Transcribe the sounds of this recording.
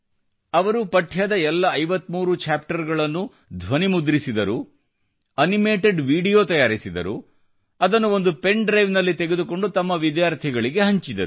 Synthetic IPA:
ɐʋɐɾupɐʈʰːjaːd̪ɐɛlːɐːjʋɐt̪ːmuːɾut͡ʃaːpʈɐɾɡɐɭɐnːu | d̪ʱʋɐnimud̪ɾisid̪ɐɾu | ɐnime̞ːʈeɖʋiːɖijoːt̪ɐjaːɾisid̪ɐ̰ɾu | ɐd̪ɐnːuo̞nd̪upe̞ɳɖɾɐjʋnɐlːit̪e̞ɡed̪uko̞ɳɖut̪ɐmːɐʋid̪jaːɾt̪ʰiɡɐɭiɡe̞ɦɐɲt͡ʃid̪ɐɾu

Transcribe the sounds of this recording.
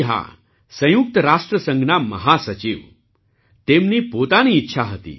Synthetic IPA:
ɦa̰ | sə̃juk̚t̪əɾaʂʈɾəsə̃ŋɡnaməɦasət͡ɕiːʋ | t̪emniːpot̪aniːtːɕʰaɦət̪ḭː

